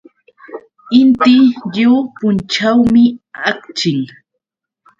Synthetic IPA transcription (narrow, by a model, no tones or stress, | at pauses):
ɪnt̪ɪʎuwpʊnt͡ʃawmɪak̚t͡ʃɪl